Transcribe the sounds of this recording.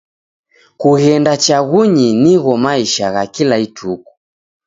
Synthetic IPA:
kuɣɛndat͡ʃaɣuɲiniɣɔmaiʃaɣakilaitʰuku̥

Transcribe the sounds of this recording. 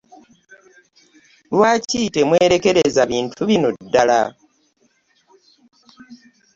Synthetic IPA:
lwaːciːte̞mweːɾe̞ke̞ɾe̞zaβiːntʰuβinodːala

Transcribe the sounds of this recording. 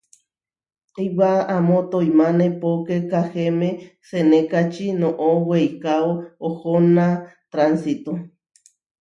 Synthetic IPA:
ejwaamõt̪ojmãnẽpokekahemẽsenẽkat͡ʃinõʔowejkaoohonãt̪ɾansit̪o

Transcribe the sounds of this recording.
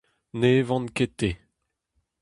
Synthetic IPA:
nevɑ̃nket̪e

